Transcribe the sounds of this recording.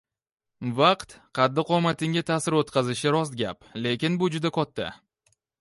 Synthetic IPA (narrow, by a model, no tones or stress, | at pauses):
vaqt̪qʰɑd̪ːɪqʰɒmat̪ʰɪŋɡʲat̪ʰaːsɪɾot̪qɑzɪʃɪɾɒst̪̚ɡʲaple̞kʲɪnbʊd͡ʒʊd̪akʰɒt̪ʰːa̰